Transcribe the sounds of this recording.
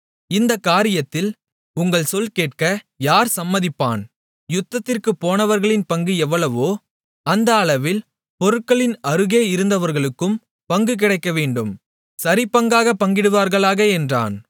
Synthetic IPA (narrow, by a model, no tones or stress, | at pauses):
ɪnd̪ɐkːaːɾɪjɐt̪ːɪl | ʊŋɡɐɭsɔlkeːʈ̚kɐ | jaːɾsɐmːɐðɪpːa̰ːn | jʊt̪ːɐt̪ːɪrkɯpːoːnɐʋɐɾɣɐɭɪnpɐŋɡɯɛʋːɐɭɐʋoː | ɐnd̪ɐːɭɐʋɪl | pɔɾɯʈ̚kːɐɭɪnɐɾɯɣeːɪɾɯnd̪ɐʋɐɾɣɐɭɯkːɯm | pɐŋɡɯk̬ɪɽɐɪkːɐʋeːɳɖɯm | sɐɾɪpːɐŋɡaːɣɐpɐŋɡɪɽɯʋaːɾɣɐɭaːɣɐɛndra̰ːn